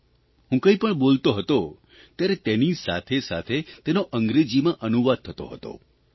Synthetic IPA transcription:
ɦũkə̃ĩpəɳbolt̪oɦət̪o | t̪jaɾet̪enisa̰t̪ʰesa̰t̪ʰet̪enoʔəŋɡɾed͡ʒimãʔənuʋad̪̚t̪ʰət̪o̰ɦə̰t̪o̰

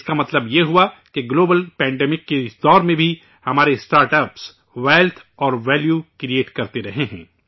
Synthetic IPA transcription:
skamɐt̪ləbjeɦʊakeɡloːbəlpɛ̃ːɳɖɛːmɪkːeɪsd̪ɔːɾmẽbʱi | hɐmaːɾesʈaːɾʈəps | ʋɛːlt̪ʰɔːɾʋɛːljukɾieːʈkɐɾt̪eɾɐɦeɦɛ̰̃ː

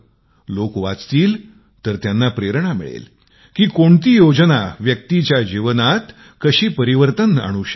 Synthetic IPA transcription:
lokʋa̰t͡st̪iːl | t̪əɾt̪janːapɾeɾɳamḭɭḛl | kiːkoɳt̪iːjod͡ʑnaʋjək̚t̪it͡ɕjad͡ʑiʋnat̪ | kəɕiːpəɾiʋəɾt̪əna̰ɽ̃uɕe

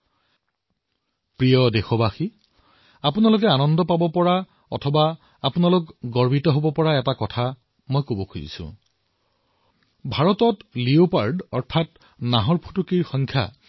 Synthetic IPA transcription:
pɹijɔdexɔbaxi | apunalʊk̬ɛanɔndɔpabɔpɔɹa | ɔ̰tʰɔba | apunalʊkɡɔɹbitɔɦobɔpɔɹaɛtakɔtʰa | mojkobɔkʰuzḭsʊ̰̃ | bʱaɹɔtɔtliopaɹɖɔɹtʰat | naɦɔɹpʰu̥tukiɹxɔŋkʰja̰

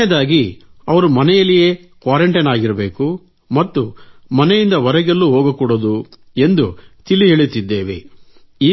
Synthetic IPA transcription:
ɛd̪aːɡiɐʋɐɾumɐnɛjɐlːijeː | kʋaːɾeɳʈɐnaːɡiɾɐbe̞ːku | mɐt̪ːumɐnɛjind̪ɐʋɐɾɛɡelːuɦoːɡɐkuːɽod̪u | e̞nd̪ut̪iliɦeːɭit̪id̪ːeːʋḛ | iː

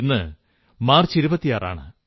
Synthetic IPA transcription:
nːɨ | maːrt͡ɕiɾubɐt̪ːijaːrʔa̰ːɳɨ

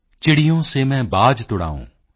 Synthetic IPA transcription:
t͡ʃɪɽijõːsemɛ̃ːbaːd͡ʒt̪ʊɽa̰ːṵ̃ː

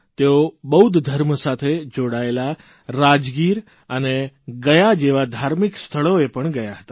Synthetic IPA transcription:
t̪eobəɦud̪ʱd̪ʱəɾməsat̪ʰed͡ʒoɽaela | ɾad͡ʒɡiɾ | əneɡəjad͡ʒeʋad̪ʱaɾmikst̪ʰəɭoepəɳɡəjaɦət̪a

